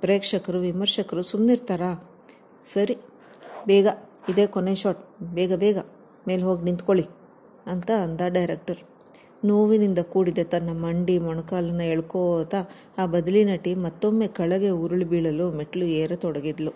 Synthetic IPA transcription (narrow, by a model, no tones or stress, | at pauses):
pɾeːkʂɐkɐɾuʋimɐɾʂɐkɐɾusumniɾt̪aːɾa | sɐɾi | bɛːɡɐid̪e̞ːkoneʃaːʈbɛːɡɐbɛːɡɐ | me̞ːlɦo̞ːɡinint̪koɭi | ɐnt̪ɐːnd̪aɖɐjɾek̚ʈɐɾ | noːʋinind̪ɐkuːɽid̪et̪ɐnːɐmɐɳɖimɔɳɐkaːlɐnːɐeɭkoːt̪ɐ | aːbɐd̪ɐlinɐʈːimɐt̪ːomːe̞ːkɐɭɐɡe̞uɾuɭibiːɭɐlumeʈːlueːɾɐt̪ɔɽɐɡid̪lu